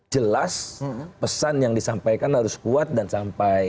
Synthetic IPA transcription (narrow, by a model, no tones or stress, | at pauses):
d͡ʒəlaspəsanjaŋdisampajkanhaɾʊskuat̪̚dansampaj